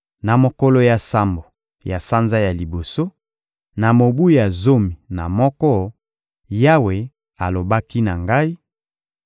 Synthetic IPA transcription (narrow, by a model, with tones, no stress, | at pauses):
na˨mo˨ko˦lo˦ja˨sa˦mbo˨ | ja˨sa˦nza˦ja˨li˨bo˨so˦ | na˨mo˨bu˦a˨zo˦mi˨na˨mɔ˦kɔ˦ | ja˦we˨ | a˨lo˨ba˦ki˦na˨ŋɡa˦i˦